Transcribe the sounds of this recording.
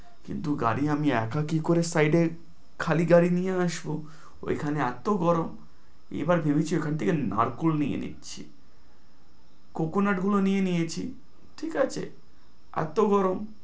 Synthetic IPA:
kḭnt̪uɡa̰ɾiamiɛkʰakikoɾesajɖe | kʰaliɡaɾinijeaʃbo | oḛkʰaneɛt̪oɡɔɾom | ḛbaɾbʱebit͡ɕʰiekʰant̪ʰekena̰ɾkulnijḛnḭtːɕʰḭ | kokonaʈɡulonijenijet͡ɕʰi | ʈʰikat͡ɕʰḛ | ɛ̰t̪oɡɔɾom

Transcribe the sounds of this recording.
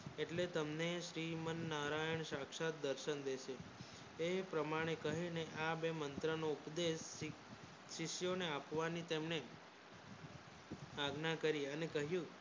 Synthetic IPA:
eʈlet̪əmneʃɾimənːaɾajəɳʃakʃat̪̚d̪əɾʃənd̪eʃe | epɾəmaɽ̃ekəɦineʔabemənt̪ɾənoʊpd̪eʃː | ɪʃjoneapʋanit̪emne | aɡnakəɾiənekəɦjũ

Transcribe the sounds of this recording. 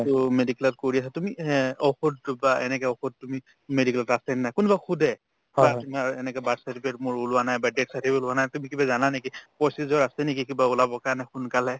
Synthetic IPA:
tʊmedikɛlɔtkoɹiasɛtumiɔxudbaenɛkɛɔxud̚tumi | medikɛlɔtasɛnnajkʊnubaxʰudʱɛ | batumiaɛnɛkɛbatsatʰipɛtmʊɹulʊwanajbadetsatʰipulʊanajtumikibazananekipɔjsizɔɹasɛnek̬ikibaulabɔkanajxʊnkalɛ

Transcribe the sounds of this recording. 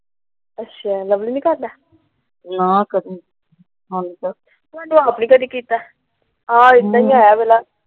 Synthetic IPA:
ətːʃʰaːləbliːnĩːkaɾd̪aː | nakəd̪ | ɦãnisa | mɛːnũaːpniːkəd̪iːkiːt̪aː | ɦãːɪt̪nãːɦĩaːjaːbɛːlaː

